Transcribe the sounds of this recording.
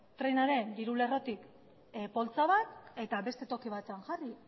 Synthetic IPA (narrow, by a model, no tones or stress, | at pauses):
t̪ɾe̞naɾe̞nd̪iɾule̞ro̞t̪ik | po̞lt͡saβat̪e̞t̪aβe̞st̪e̞t̪o̞kiβ̞at̪eaŋʝari